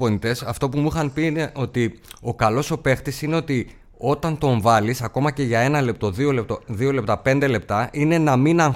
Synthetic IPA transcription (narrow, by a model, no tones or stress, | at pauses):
onit̪e̞sɐft̪o̞pumuxɐnpineʔo̞t̪io̞kɐlo̞so̞pe̞xt̪isine̞o̞t̪i | o̞t̪ɐnt̪o̞ɱvɐlisɐko̞mɐce̞ʝɐe̞nɐle̞p̚t̪o̞ðio̞le̞p̚t̪oðio̞le̞p̚t̪ɐpe̞nd̪e̞le̞p̚t̪ɐʔine̞nɐminɐŋ